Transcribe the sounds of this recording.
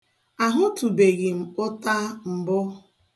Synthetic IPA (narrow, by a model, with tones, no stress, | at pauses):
a˨ɦʊ˦tu˨be˨ɣi˨m̩˨ʊ˦ta˦m̩˨bʊ˦